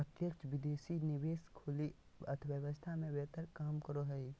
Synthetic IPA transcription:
ɐt̪jəkt͡ʃʋɪd̪eːsinɪʋeːskʰʊli | ɐ̰t̪ʰʋəʋəst̪ʰamẽbɛːt̪əɾkaːmkəɾoɦɛi

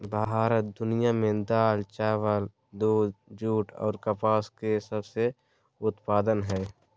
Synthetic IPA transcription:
bʱaɦaːɾət̪̚d̪ʊnijamẽd̪aːlt͡ʃaːʋəl | d̪uːd̪d͡ʒuːʈʰɔ̰ːɾkɐpaːskesəbse | ʊt̪paːd̪ənɦɛː

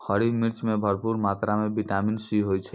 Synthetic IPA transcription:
həɾimiɾt͡ʃmebʱəɾpuɾmat̪ɾamebiʈaminsiɦojt͡ʃʰə

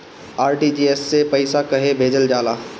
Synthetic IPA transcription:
aːɾʈiːd͡ʒiesːepɐɪsakɐɦebʱeːd͡ʒəld͡ʒaːlaː

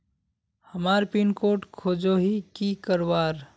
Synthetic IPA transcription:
həmaɾpinkoʈkʰoːd͡ʒoɦikikəɾwaɾ

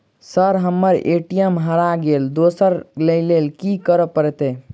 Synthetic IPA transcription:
səɾɦəmːəɾḛʈijəmɦəɾaɡeld̪osəɾlelelkikəɾəpəɾɛt̪e

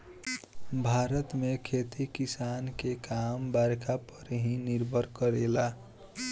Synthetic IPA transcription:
bʱaɾət̪mekʰet̪ikisankekambaɾkʰapəɾɦĩniɾbʱəɾkəɾela

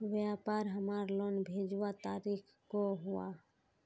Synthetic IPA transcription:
ʋjaːpaːɾɦəmaːɾloːnbʱeːd͡ʒʋat̪aːɾiːkʰ | koɦʊa̰

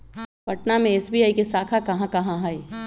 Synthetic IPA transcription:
pɐʈnamẽeːsbiːaːikesaːkʰakɐɦãkɐɦãɦae

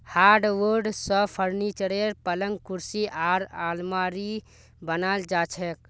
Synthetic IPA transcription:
haːɾɖʋəɾɖsəpʰəɾnit͡ʃəɽeɾpələŋɡkuɾsiʔaɾalmaɾi | bənald͡ʒaːt͡ʃʰek

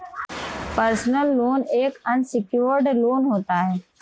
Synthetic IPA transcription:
pəɾsnəlːoːneːkənsɪkjoːɾɖloːnɦoːt̪aɦɛː

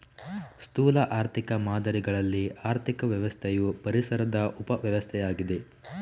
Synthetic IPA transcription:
st̪uːlɐʔaːɾt̪ʰikɐmaːd̪ɐɾiɡɐɭɐlːiaːɾt̪ʰikɐʋjɐʋɐst̪ʰɛjupɐɾisɐɾɐd̪ɐʔupɐʋjɐʋɐst̪ʰɛjaːɡid̪e

